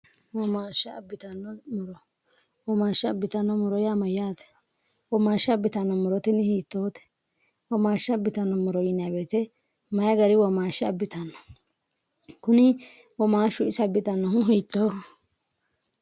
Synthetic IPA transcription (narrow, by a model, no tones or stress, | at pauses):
wɔmaːʃaɐ̰bːɪt̪ɐnːɔmʊɾɔ | wɔmaːʃːɪɐbːɪt̪ɐnːɔmʊɾɔjamɐjːaːt̪ɛ̥ | wɔmaːʃɪɐbːɪt̪ɐnːɔmʊɾɔt̪ɛnɪhiːt̪ːoːt̪ɛ̥ | wɔmaːʃːɪɐbːɪt̪ɐnːɔmʊɾɔjɪnabɛːt̪ɛ | mɐjɐɡɐɾɪwɔmaːʃɪɐ̰bːɪt̪ɐnːɔ̥ | kʊnɪ | wɔmaːʃʊɪsɐbːɪt̪ɐnːɔɦʊɦiːt̪ːɔ